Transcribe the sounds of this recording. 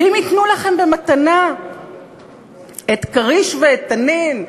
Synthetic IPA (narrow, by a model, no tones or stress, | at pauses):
imit̪nulaχe̞mbe̞mat̪ana | et̪kaʁiʃveːt̪anen